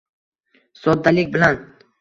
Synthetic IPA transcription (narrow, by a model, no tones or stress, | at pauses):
sɒd̪ːalɪkʲbɪlan